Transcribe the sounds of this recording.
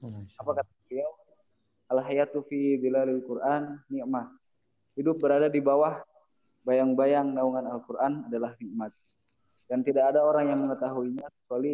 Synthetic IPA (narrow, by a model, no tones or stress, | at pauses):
apakat̪aəbliaw | ʔalɦajat̪ufibilalalkurʔanːiʔmat̪̚ | hidʊp̚bəɾadadibawah | bajaŋbajaŋnauŋanalkurʔanadalahniʔmat̪̚ | dant̪idakːdaoɾaŋjaŋməŋət̪aɦuiɲasə̥suali